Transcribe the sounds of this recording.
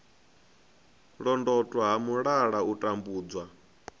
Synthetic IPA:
ɺɔndɔtʼwaɦamuɺaɺautʼambuːd͡zwa

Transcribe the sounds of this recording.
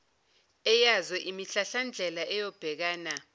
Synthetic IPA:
ɛjazɔʔimiɬaɬand͡ɮʱɛlaʔɛjɔb̥ʱɛk̬aːna

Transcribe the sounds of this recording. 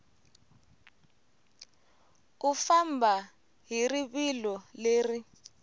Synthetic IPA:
kufambʱa | ɦiriβilɔleːri

